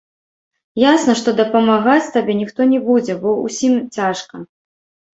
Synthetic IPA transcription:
jasnɐʂt̪ɔd̪ɐpɐmaɣat͡sʲt̪abʲɛnʲixt̪ɔnʲɛbud͡zʲɛbɔṵsʲimt͡sʲaʂkɐ

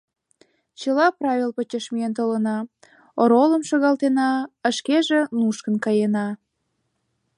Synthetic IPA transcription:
t͡ɕəlɑprɑvʲelpət͡ɕəʃmiənt̪olənɑ | oɾoləmʃoɣɑlt̪enɑəʃkeʒenuʃkə̆nkɑjenɑ

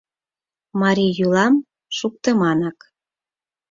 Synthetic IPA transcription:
mɑɾʲijulɑm | ʃuk̚t̪əmɑnɑk

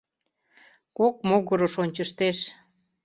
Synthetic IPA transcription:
kok̚moɣəɾoʃonʲt͡ɕəʃt̪eʃ

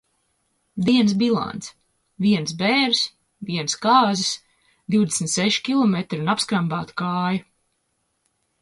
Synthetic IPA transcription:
d̪iɛns̬bilˠa̰nt̪s | viɛns̬bɛːɾs | viɛnskaːzɪs | d̪iwd̪esn̩t̪sɛʃi̥kʲilˠɔmet̪ɾunapskɾambaːt̪u̥kaːju

